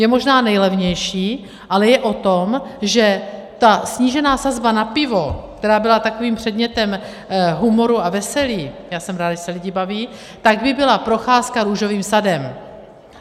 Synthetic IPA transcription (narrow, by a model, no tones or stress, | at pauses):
jɛmo̞ʒnaːnɛjlɛvɲɛjʃiː | ʔalɛjɛʔo̞t̪o̞mʒɛt̪asɲiːʒɛnaːsazbanapɪvo̞kt̪ɛɾaːbɪlat̪akoviːmpr̥ɛd̪ɲɛt̪ɛm | ɦumo̞ɾuavɛsɛliːjaːsɛmɾaːd̪ʒɛsɛlɪɟɪbaviː | t̪aɡbɪbɪlapɾo̞xaːskaɾuːʒo̞viːmsadɛm